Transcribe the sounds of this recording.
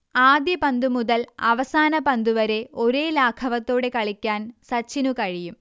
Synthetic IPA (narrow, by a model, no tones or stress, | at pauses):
aːd̪jɐpɐnd̪umuðɐlɐʋɐsaːnɐpɐnd̪uʋɐɾe̞o̞ɾeːlaːkʰɐʋɐt̪ːo̞ːɽe̞kɐɭikʲːaːnsɐt͡ɕːinukɐɻijum